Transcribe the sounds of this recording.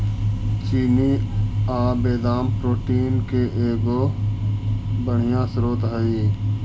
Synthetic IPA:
t͡ʃiːniːaːbeːd̪aːmpɾoːʈiːnkeʔeːɡoː | bəɳ̤ɪjãːsɾoːt̪ɦəiː

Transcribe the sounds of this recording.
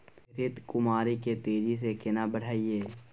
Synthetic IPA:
ɾɪt̪kʊmaːɾiket̪eːd͡ʒis̬ekɪnabəɽ̤aːieː

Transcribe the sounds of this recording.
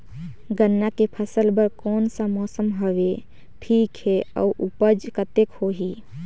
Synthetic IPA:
ɡənːakepʰəsəlbəɾkɔːnsamɔːsəmɦəʋe | ʈʰiːkɦɛə̰uʔupəd͡ʒkət̪ekhoɦi

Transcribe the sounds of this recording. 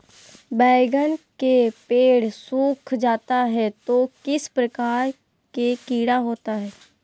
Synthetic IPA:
bɛːɡənkepeːɽsuːkʰd͡ʒaːt̪aɦɛt̪okɪspɾəkaːɾ | kekiːɽaɦoːt̪aɦɛː

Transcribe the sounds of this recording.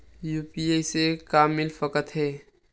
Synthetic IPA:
juːpiːejsekaːmːɪlfəkət̪ɦɛː

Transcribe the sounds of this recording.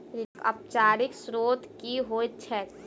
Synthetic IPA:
kɐ̰p̚t͡ʃaːɾɪksɾoːt̪kiɦoːt̪̚t͡ʃʰɛ

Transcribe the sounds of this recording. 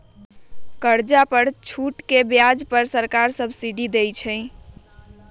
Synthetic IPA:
kəɾd͡ʒapəɾt͡ʃʰuʈkebjad͡ʒpəɾsəɾkaɾsəbsiɖid̪ejt͡ʃʰə̃

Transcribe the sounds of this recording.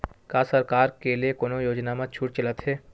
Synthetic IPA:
kaːsəɾkaːɾkeliekoːnojoːd͡ʒnaːmãt͡ʃʰuːʈt͡ʃələt̪ɦɛː

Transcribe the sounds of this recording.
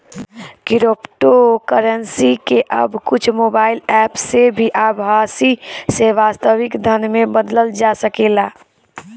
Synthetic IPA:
kɪɾopʈokəɾənsikeʔə̰bkʊt͡ʃʰmoːbaːɪlɛːpsebʱiʔabʱaːsiseʋaːst̪əʋɪkd̪ʱənmẽbəd̪ləld͡ʒasəkelaː

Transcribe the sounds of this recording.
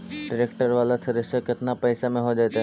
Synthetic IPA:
ɖɪɾekʈəɾʋaːlat̪ʰɪɾɪsʃəkɪt̪napɛːsamẽɦod͡ʒaːt̪aɦɛ

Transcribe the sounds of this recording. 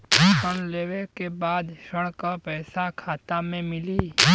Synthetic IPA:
pəɽ̃leːwekebaːd̪ʃəɽ̃kapɛːsakʰaːt̪amẽmɪliː

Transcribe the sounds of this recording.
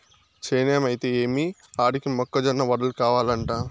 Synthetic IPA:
t͡ʃeːneːmɐjt̪eːeːmiaːɽikimɔkːɐd͡ʒɐnːɐʋɐɽɐlkaːʋaːlɐɳʈaː

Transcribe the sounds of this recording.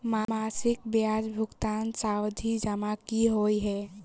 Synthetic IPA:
mamasɪk̚bjad͡ʒbʱʊɡt̪ansawd̪ʱid͡ʒəmakiɦoiɦɛː

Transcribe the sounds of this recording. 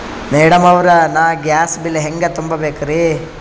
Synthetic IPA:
meːɽɐmɐʋɾɐnaːɡjaːsbilːeɦeŋɡɐt̪umbɐbeːkɐɾi

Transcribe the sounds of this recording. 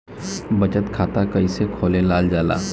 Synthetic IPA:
bət͡ʃət̪kʰaːt̪akəisekʰoːlelaːld͡ʒaːla̰ː

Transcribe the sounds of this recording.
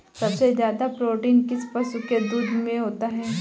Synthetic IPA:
sɐbsezjaːd̪apɾoːʈiːnkɪspɐsuked̪uːd̪ʱmẽɦoːt̪aɦɛː

